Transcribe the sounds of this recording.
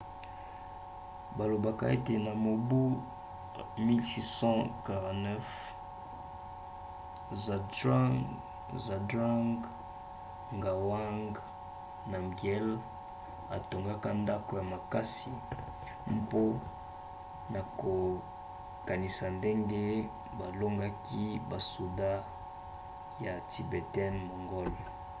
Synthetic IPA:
ba˨lo˨ba˨ka̰˦e˦te˨na˨mo˨bu˦ | mi˦lsi˦sɑ̃˦ka˨ʁɑ̃˨tnɛ˦f | za˨da˦ | za˨da˦ŋɡ | ŋɡa˨wa˦ŋɡ | na˨mɡi˨ɛ˦l | a˨to˨ŋɡa˦ka˦nda˦ko˨ja˨ma˨ka˦si˨ | mpo˦ | na˨ko˨ | ka˨ni˨sa˨nde˦ŋɡe˦ | ba˨lo˦ŋɡa˦ki˦ba˨su˨da˦ | ja˨ti˨be˨tɛ˦nmo˨ŋɡɔ˦lɔ˨

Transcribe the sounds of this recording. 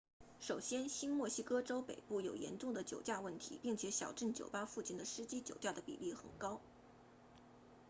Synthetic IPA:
ʂo˨˩ʊɕjɛ˥nɕi˥nmwɔ˥˩ɕi˥kɤ˥ʈ͡ʂo˥ʊpḛ˨˩ɪpu˥˩jo˨˩ʊjɛ̰˧˥nʈ͡ʂʊ˥˩ŋd̪ə˩t͡ɕjo˨˩ʊt͡ɕja˥˧wə˥˩nt̪ʰḭ˧˥pi˥˩ŋt͡ɕʰjɛ˧˥ɕjɑ̰˨˩ʊʈ͡ʂə˥˩nt͡ɕjo˨˩ʊpa˥fu˥˧t͡ɕʰi˥˩nd̪ə˦ʂɻ̩˥t͡ɕi˥t͡ɕjo˨˩ʊt̪ja˥˩d̪ə˩pḭ˨˩li˥˩xə̰˨˩nkɑ˥ʊ

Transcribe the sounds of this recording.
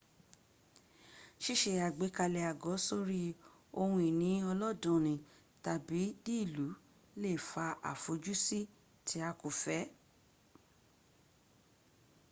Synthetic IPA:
ʃi˦ʃe˧˨a˨ɡ͡be˨˦ka˧lɛ˧a˨ɡɔ˨˦so˦ɾi˦ | o˧hũ˧i˨nĩ˨˦ɔ˧lɔ˦dũ˧˨nĩ˨ | ta˨bi˨˦di˦˨lu˨˦ | le˦˨fa˧a̰˨fo˨˦d͡ʒu˦si˦ | tʰi˨˦a˧ko˨fɛ˨˦

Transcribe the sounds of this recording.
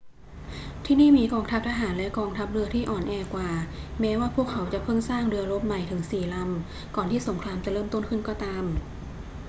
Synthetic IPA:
t̪ʰiː˥˩niː˥˩miː˧kɔː˧ŋt̪ʰa˦˥p̚t̪ʰaː˧ɦaː˩˦nlɛ˦˥kɔː˧ŋt̪ʰa˦˥p̚ɾɯ˧ɐt̪ʰiː˥˩ʔɔː˨˩nʔɛː˧kwaː˨˩mɛː˦˥waː˥˩pʰu˥˩əkʰːa˩˦wt͡ɕa˨˩pʰɤ˥˩ŋsaː˥˩ŋdɯ˧ɐɾo˦˥p̚ma˨˩jt̪ʰɯ˩˦ŋsiː˨˩la˧m | kɔː˨˩nt̪ʰiː˥˩so˩˦ŋkʰɾaː˧mt͡ɕa˨˩ɾɤː˥˩mt̪o˥˩nkʰɯ˥˩nkɔː˥˩t̪aː˧m

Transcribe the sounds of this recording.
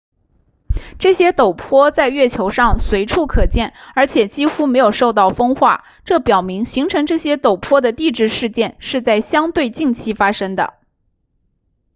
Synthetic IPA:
ʈ͡ʂɤ˥˩ɕjɛ˥t̪o˨˩ʊpʰwɔ˥t͡sa˥˧ɪɥɛ˥˩t͡ɕʰjo˧˥ʊʂɑ˥˧ŋswe˧˥ɪʈ͡ʂʰu˥˩kʰɤ˨˩t͡ɕjɛ˥˩nə˞˧˥t͡ɕʰjɛ˨˩t͡ɕi˥xu˥me˧˥ɪjo˨˩ʊʂo˥˧ʊt̪ɑ˥˩ʊfɤ˥ŋxwa̰˥˩ | ʈ͡ʂɤ˥˩pjɑ˨˩ʊmi˧˥ŋɕi˧˥ŋʈ͡ʂʰɤ˧˥ŋʈ͡ʂɤ˥˩ɕjɛ˥t̪o˨˩ʊpʰwɔ˥d̪ə˨t̪i˥˧ʈ͡ʂɻ̩˥˧ʂɻ̩˥˧t͡ɕjɛ˥˧nʂɻ̩˥˧t͡sa˥˩ɪɕjɑ˥ŋt̪we˥˧ɪt͡ɕi˥˩ŋt͡ɕʰi˥fa˥ʂɤ˥ŋd̪ə̰˨˩

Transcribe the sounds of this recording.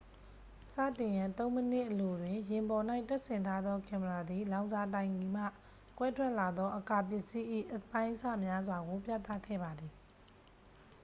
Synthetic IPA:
sä̰˦˨tɪ̃˨jã˨nt̪õ˦ʊ̃mə˦nɪ˦˨ʔəlo˨dwɪ̃˨jɪ̃˨mbɔ˨na˦ɪʔtɛ˦ʔsɪ̃˨ntʰa˦d̪ðɔ˦kã˨məɹa˨d̪ði˨lã˨˦ʊ̃nza˨t̬ã˨ɪ̃ŋi˨m̥ä̰˦˨ | kwɛ˦tʰwɛ˦ʔla˨d̪ɔ˦ʔəka˨p̬jɪ˦˨ʔsi˦ʔḭ˦˨ʔəspã˦ɪ̃ʔəsa̰˦˨mja˦zwa˨ɡo˨pja̰˦˨t̪a̰˦˨kʰɛ̰˦˨ba˨d̪ði˨

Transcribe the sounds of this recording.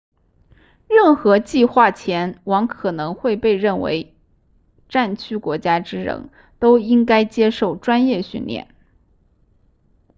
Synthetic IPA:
ɻə˥˩nxɤ˧˥t͡ɕi˥˧xwa˥˩t͡ɕʰjɛ˧˥nwɑ˧˥ŋkʰɤ˨˩nɤ˧˥ŋxwe˥˧ɪpe˥˧ɪɻə˥˩nwḛ˧˥ɪ | ʈ͡ʂa˥˩nt͡ɕʰy˥kwɔ˧˥t͡ɕja˥ʈ͡ʂɻ̩˥ɻə̰˧˥ŋ | t̪o˥ʊi˥ŋka˥ɪt͡ɕjɛ˥ʂo˥˩ʊʈ͡ʂwa˥njɛ˥˧ɕy˥˧nljɛ̰˥˩n

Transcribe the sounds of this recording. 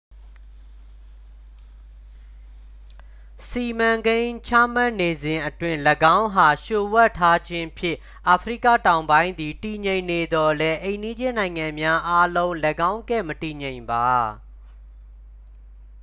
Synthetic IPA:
si˨mã˨ŋɡẽ˦ɪ̃t͡ɕʰa̰˦˨ma˦˨ʔne˨zɪ̃˨ʔətwɪ̃˦ləɡã˦ʊ̃ɦa˨ʃo˨wɛ˦˨tʰːa˦d͡ʑɪ̃˦pʰjɪ̰̃˦˨ʔ | ʔa˨pʰɹḭ˦˨kä̰˦˨tã˨ʊ̃mbã˦ɪ̃nd̪i˨ti˨ɲẽ˨ɪ̃nːe˨d̪ɔ˨lɛ˦ʔẽ˨ɪ̃ndi˦d͡ʑɪ̃˦˨nã˨ɪ̃ŋã˨mja˦ʔa˦lõ˦ʊ̃lə˨ɡã˦ʊ̃ŋkɛ˦˨məti˨ɲẽ˨ɪ̃mba˨

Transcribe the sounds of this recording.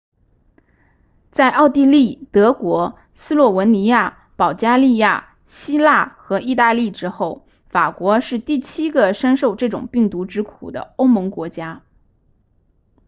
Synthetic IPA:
t͡sa˥˧ɪʔɑ˥˧ʊt̪i˥˧li˥˩t̪ɤ˧˥kwɔ˧˥ | sɹ̩˥lwɔ˥˩wə˧˥nni˧˥ja˥˩ | pɑ˨˩ʊt͡ɕja˥li˥˧ja˥˩ | ɕi˥la˥˩xɤ˧˥i˥˧t̪a˥˧li˥˩ʈ͡ʂɻ̩˥xo˥˩ʊ | fa˨˩kwɔ˧˥ʂɻ̩˥˧t̪i˥˩t͡ɕʰi˥ɡə˨ʂə˥nʂo˥˧ʊʈ͡ʂɤ˥˩ʈ͡ʂʊ̰˨˩ŋpi˥˩ŋt̪u˧˥ʈ͡ʂɻ̩˥kʰṵ˨˩d̪ə̰˦o˥ʊmɤ˧˥ŋkwɔ˧˥t͡ɕja˥

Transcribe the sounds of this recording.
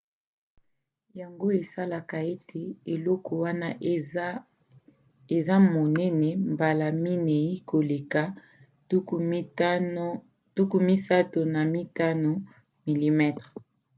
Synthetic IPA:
ja˨ŋɡo˦e˨sa˦la˨ka˨e˦tʰe˨e˨lɔ˦kɔ˨wa˦na˦ | e˨za˦mo˨nɛ˦nɛ˨mba˨la˨mi˦nɛ˨i˦ko˨le˨ka˨ | u˦ku˨˦n˦ | tu˦ku˦mi˦sa˦to˨na˨mi˦ta˦no˨ | mi˨li˨mɛ˦tʁ

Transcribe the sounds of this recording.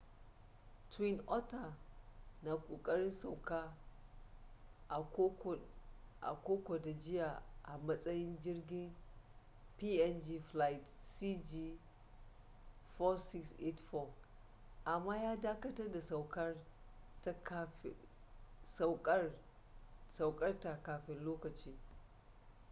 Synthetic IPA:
twi˦nʔɔ˦ta˨ | na˨kʷʼoː˨kʼɐ˦ɾɪ˦nsa˨wka˦˨˦ | ʔa̰˨kʷoː˦kʷo˨da˨d͡ʒɪ˦ja˨ʔa̰˨mɐ˦sʼɐ˦jɪ˦nd͡ʒɪ˦rɡʲɪ˦n | pi˦ʔɛ˦nd͡ʒi˦fla˦jtsi˦d͡ʒiː˦ | fɔ˦sɪ˦ksʔe˦tfɔ˦˨ | ʔa˨mːaː˦jaː˦daː˦kɐ˦tɐ˦rda˨sa˨wkɐ˦rta˦ | sa˨wkʼɐ˦ | sa˨wkʼɐ˦rta˨kaː˨ɸɪ˦nloː˦kɐ˨t͡ʃiː˦

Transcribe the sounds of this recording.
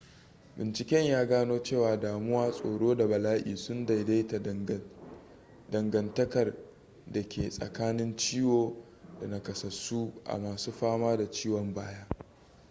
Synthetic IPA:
bɪ˨nt͡ʃɪ˨kʲɛ˦ɲjaː˦ɡaː˦noː˦t͡ʃeː˦˨waː˨daː˨mʊ˦waː˦sʼo̰ː˨ɽoː˦da˨bɐ˨laː˦ʔḭː˨sʊ˦nda˨jda˦jta˨ | dɐ˨ŋɡɐ˨ntɐ˦kɐ˨r | da˨kʲeː˨sʼɐ̰˨kaː˦nɪ˦nt͡ʃiː˦woː˦ | da˨na˨kɐ˨sɐ˨suː˦ʔa̰˨maː˨suː˦ɸaː˦maː˦da˨t͡ʃiː˦wɔ˨mbaː˦jaː˦

